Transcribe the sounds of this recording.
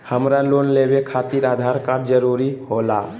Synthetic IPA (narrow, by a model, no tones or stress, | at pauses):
həmɾaloːnleːwekʰaːt̪iːɾaːd̪ʱaːɾkaɖd͡ʒəɾuːɾihoːla̰ː